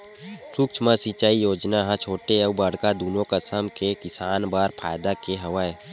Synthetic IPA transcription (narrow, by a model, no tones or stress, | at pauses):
suk̚t͡ʃʰmasit͡ʃaːijoːd͡ʒnaɦãt͡ʃʰoːʈeɐubəɽkad̪uːnõkəsəmkekɪsaːnbaːɾpʰaːjd̪akeɦɐʋae